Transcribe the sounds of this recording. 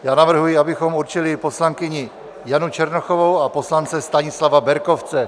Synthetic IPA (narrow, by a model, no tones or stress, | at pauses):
jaːnavr̩ɦujɪabɪxo̞muɾt͡ʃɪlɪpo̞slaŋkɪɲɪ | janut͡ʃɛɾnoxovo̞wapo̞slant͡sɛst̪aɲɪslavabɛɾko̞ft͡sɛ